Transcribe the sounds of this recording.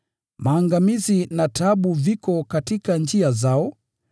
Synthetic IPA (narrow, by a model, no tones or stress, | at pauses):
maːŋɡamizinataɓuvikɔkatikand͡ʒiazaɔ